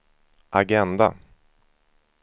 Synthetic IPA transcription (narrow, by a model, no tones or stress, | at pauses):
ʔaɡɛnd̪a̰